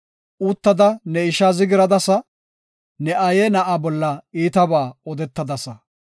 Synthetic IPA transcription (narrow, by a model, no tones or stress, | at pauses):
ʔut̪ːɐd̪ɐnɛɪʃazɪɡɪɾɐd̪ɐsɐ | nɛʔɐjɛnɐʔabɔlːɐiːt̪ɐbaːɔd̪ɛt̪ːɐd̪ɐsɐ